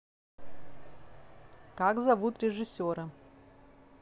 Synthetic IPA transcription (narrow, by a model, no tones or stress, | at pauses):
kaɡzɐvut̪ɾʲɪʐɨsʲoɾə